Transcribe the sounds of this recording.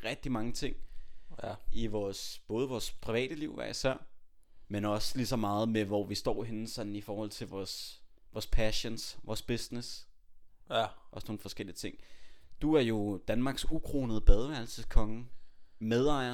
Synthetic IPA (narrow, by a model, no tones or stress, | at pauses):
ʁɛɡ̥̚d̥imɑ̈ŋət͡sʰe̝ŋ̰ | iʋɒːsb̥ɔ̽ːð̞̩ˠəʋɒːspʰʁiʋɛ̰ːɾ̥əliʊ̰ʋæɐisæɐ̰ | menɒ̽slisɒ̽mɑ̈ːð̞̩ˠmeʋɒʋisd̥ɒ̰ːɦe̝n̩sɒ̽d̥n̩ifɒːhɒ̽l̰t͡sʰe̝lʋɒːs | ʋɒːspʰæɕənsʋɒːsb̥esnes | ʔɒ̽sno̝ːn̩fɒ̽sɡ̥el̰iət͡sʰe̝ŋ̰d̥uæɐjo̝d̥ænmɑ̈ːɡ̥sukʰʁo̝ːnəð̩ˠəb̥ɛð̞ˠʋæɐl̩səskʰɒ̽ŋəmeð̞ˠɑ̈ɪ̰ɐ